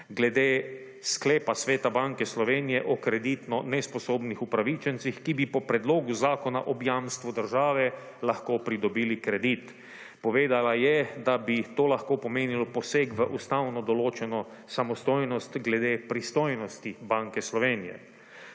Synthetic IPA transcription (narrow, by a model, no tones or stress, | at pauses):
ɡlɛd̪eː | sklɛːpasʋeːt̪abaŋkɛslɔʋeːnijɛʔɔkɾɛd̪it̪nɔnɛspɔsoːbnixupɾaʋit͡ʃɛnt̪sixkibipɔpɾɛd̪loːɡuzaːkɔna̰ʔɔbjaːmst̪ʋud̪əɾʒaːʋɛ | laxkoːpɾid̪ɔbilikɾɛd̪it̪ | pɔʋeːd̪alajɛd̪abit̪oːlaxkoːpɔmeːnilɔpɔseːkʋəʔust̪awnɔd̪ɔloːt͡ʃɛnɔ | samɔst̪oːjnɔst̪ɡlɛd̪eːpɾist̪oːjnɔst̪ibaŋkɛslɔʋeːnijɛ̰